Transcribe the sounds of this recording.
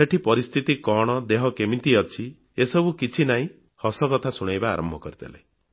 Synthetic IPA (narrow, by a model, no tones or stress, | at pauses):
eʈʰipɔɾist̪ʰit̪ikɔɽ̃ɔd̪eɦɔkemĩnt̪iɔt͡ʃʰi | esɔbukit͡ʃʰinaĩ | hɔsɔkɔt̪ʰasuɽ̃ajba̰ːɾɔ̰mbʱɔkɔɾit̪ʰḛla̰j